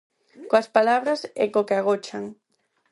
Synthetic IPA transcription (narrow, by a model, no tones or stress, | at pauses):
koɐspalaβɾasɛ̰kokeaɣ̞ot͡ʃaŋ